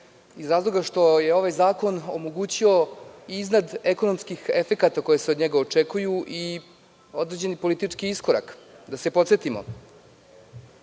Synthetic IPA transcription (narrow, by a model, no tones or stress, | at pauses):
izɾaːzlˠo̞ɡaʂt̪o̞jeo̞ʋajzaːko̞no̰mo̞ɡuːt͡ɕio̞iiznad̪e̞ko̞no̞mskixefe̞kat̪ako̞je̞seod̪ɲeɡaot͡ʂe̞kujuʔi | o̞d̪ɾed͡ʑe̞nipo̞lit̪it͡ʂkiiskoɾa̰kd̪ase̞po̞t̪set̪imo̞̰